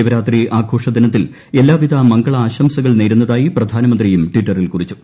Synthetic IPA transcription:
iʋɐɾaːt̪riʔaːɡʰʱoːʂɐd̪ɐnɐt̪̬ːil | e̞lːaːʋiðɐmɐŋɡɐɭɐaːɕɐmsɐɣɐɭneːɾunːɐðaːjiprɐd̪ʱaːnɐmɐnd̪rijumʈʋiʈːɐrilkurit͡ɕːu̥

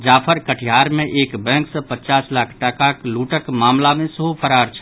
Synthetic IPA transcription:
d͡ʒapʰəɾkəʈʰijaɾmeʔekbɛ̃ŋksə̃pət͡ʃaslakʰʈakakluʈəkmamlamesəɦupʰəɾaɾt͡ʃʰə̥

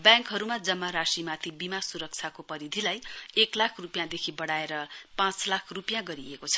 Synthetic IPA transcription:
bjãŋkɦʌɾumad͡zʌmːaɾasimat̪ʰibimasuɾʌk̚t͡sʰakopʌɾid̪ʱilajeklakʰrupjãd̪ekʰibʌɽaeɾʌpãt͡slakʰrupjãɡʌɾiekot͡sʰʌ̥

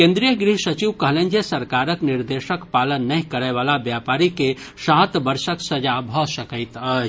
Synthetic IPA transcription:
kẽːnd̪ɾijəɡɾiɦʃɐt͡ʃiʋkɐɦlẽːnd͡ʒʱesɐɾkaːɾəknɪɾd̪eːʃəkpaːlənːɐɦĩkɐɾəʋaːlabjaːpaːɾike | saːt̪bɐɾʃəksɐd͡ʒabʱəʃɐkəɪt̪ə

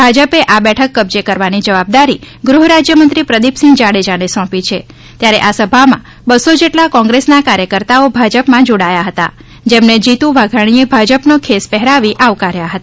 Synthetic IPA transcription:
bʱad͡ʒəpeʔabɛʈʰəkːəbd͡ʒekəɾʋanid͡ʒəʋab̚d̪aɾi | ɡɾuɦɾad͡ʒjəmə̃nt̪ɾipɾəd̪ipsĩŋɡd͡ʒaɽed͡ʒanesɔ̃pit͡ʃʰe | t̪jaɾeʔasəbʱamã̰ | bəsod͡ʒeʈlakɔ̃ŋɡɾesnakaɾjəkəɾt̪aobʱad͡ʒəpmãd͡ʒoɽajaɦət̪a̰ | d͡ʒemned͡ʒit̪uʋaɡʱəɽ̃iebʱad͡ʒəpnokʰespɛɦɾaʋiʔaʋkaɾjaɦət̪a

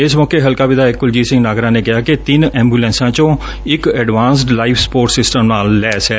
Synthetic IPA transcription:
ɪsmɔːkeːɦəlkaːʋɪd̪aːɪkːʊld͡ʒiːsɪ̃ŋɡnaːɡɾãːneːkɪaːket̪ɪnɛ̃ːmbuːlɛ̃ːnsãːt͡ʃõː | ɪkɛːɖʋãːnsʈlaːɪfspoːɾʈsɪsʈəmnaːlːɛːsɛ

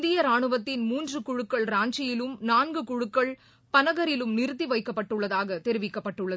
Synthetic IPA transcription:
nd̪ɪjɐɾaːɳɯʋɐt̪ːɪnmuːndrɯkʊɻʊkːɐɭɾaːɲd͡ʒɪjɪlɯmnaːnɡɯkʊɻɯkːɐɭ | pɐnɐɣɐɾɪlɯmnɪɾɯt̪̬ːiʋɐɪkːɐpːɐʈːɯɭːɐðaːɣɐt̪ɛɾɪʋɪkːɐpːɐʈːɯɭːɐð

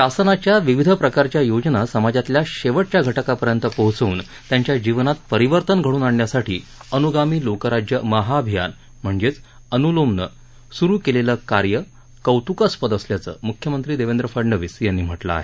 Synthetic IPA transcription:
ɕasənat͡ɕjaʋiʋid̪ʱəpɾəkaɾt͡ɕjajod͡ʑnasəmad͡zat̪ljaɕeʋəʈ̚t͡ɕjaɡʱəʈəkapəɾjənt̪əpəɦt͡səuːn | t̪jaɲt͡ɕjad͡ʑiʋnat̪̚pəɾiʋəɾt̪ənɡʱəɽuːnaɳːjasaʈʰiːənuɡamiːlokəɾad͡ʑjəməɦaːbʱija̰n | m̤əɳd͡zet͡s | ənulomnə̰ | suɾuːkeleləkaɾjə | kəwt̪ukəspəd̪əsljat͡sə̰ːmukʰjəmənt̪ɾiːd̪eʋend̪ɾəfəɾɳɖəʋiːsjanːiːm̤əʈla̰a̰ɦe

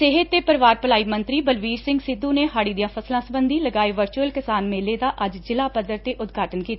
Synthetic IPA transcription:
sɪɦət̪t̪ːeːpəɾʋaːɾpəlaːiːmə̃nt̪ɾiːbəlʋiːɾsɪ̃ŋɡsɪd̪ːũːneːɦaːɽiːd̪ijãːpʰəslãːsəbənd̪iːləɡaːeʋəɾt͡ʃuəlkɪsaːnmeːleːd̪aːʔəd͡ʒd͡ʒɪlaːpəd̪əɾt̪eːʔʊd̪ɡʱaːʈənkiːt̪aː

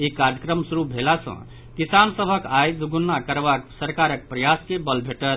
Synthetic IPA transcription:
ekaɾjəkɾəmsuɾubʱelasə̰̃ | kisansəbʱəkajd̪uɡunːakəɾbaksəɾkaɾək̚pɾəjaskebəlbʱeʈəɾ

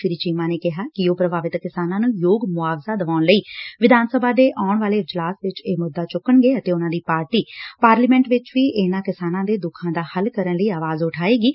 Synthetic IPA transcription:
ɪɾiːt͡ʃiːmãːneːkɪɦaːkɪjoːpɾəbaːʋɪt̪kɪsaːnãːnũːjoːɡmʊaːʋsaːd̪əʋaːʊɳləiːʋɪd̪ʱaːnsəbʱaːd̪eːʔaːʊɳʋaːleːɪd͡ʒlaːsʋɪt͡ʃeːmʊd̪ːaːt͡ʃʊkːəɳɡeːət̪eːʊnãːd̪iːpaːɾʈiːpaːɾliːmɛ̃ːɳʈʋɪt͡ʃʋiːʔɪnãːkɪsaːnãːd̪eːd̪ʊkʰãːd̪aːhəlkəɾənləiːaːʋaːzʊʈʰaːeːɡiː

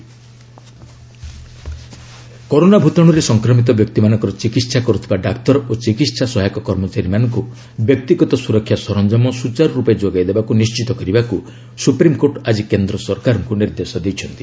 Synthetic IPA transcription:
kɔɾonabʱut̪ɔɽ̃ɔɾesɔŋkɾɔmit̪̬ɔbjɔk̚t̪imanɔ̃ŋkɔɾɔt͡ʃikit̪sakɔɾut̪ʰibaɖakt̪ɔɾot͡ʃikit̪sasɔɦajkɔkɔɾmɔt͡ʃaɾimanɔŋku | bjɔk̚t̪iɡɔt̪ɔsuɾɔkʰːjasɔɾɔnd͡ʒɔmɔsut͡ʃaɾɔɾuped͡ʒoɡajd̪ebakunist͡ʃit̪ɔkɔɾibaku | supɾimkoʈad͡ʒikend̪ɾɔsɔɾkaɾɔŋkuniɾd̪esɔd̪ejt͡ʃʰɔnt̪i̥

